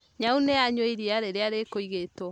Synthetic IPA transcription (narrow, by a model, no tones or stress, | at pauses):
ɲauneaɲweiɾiaɾeɾeaɾekoiɣetɔ